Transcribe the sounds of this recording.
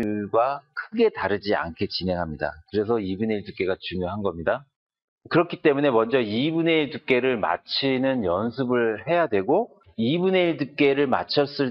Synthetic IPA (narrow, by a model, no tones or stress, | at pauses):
ɡwakʰɯɡe̞taɾɯd͡ʑia̰nkʰe̞t͡ɕinɦe̞ŋɦamɲida̰kɯɾe̞s̬ʰʌibuneiɭdɯk͈e̞ɡat͡ɕuŋjoɦanɡʌmɲida | kɯɾʌkʰit͈e̞mune̞mʌnd͡ʑʌibune̞iɭdɯk͈e̞ɾɯɭma̰t͡ɕʰinɯnjʌnsʰɯbɯɭhe̞jadwe̞ɡo | ibune̞iɭdɯk͈e̞ɾɯɭma̰t͡ɕʰʌs͈ɯɭ